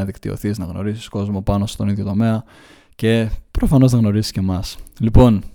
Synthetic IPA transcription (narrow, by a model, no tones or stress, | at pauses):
ɐðikt̪io̞̰θiznɐɣno̞̰ɾisi̥sko̞zmo̞pɐno̞st̪o̞niðjo̞t̪o̞me̞ɐ | ce̞pɾo̞fɐno̞znɐɣno̞ɾisi̥sce̞mɐslipo̞n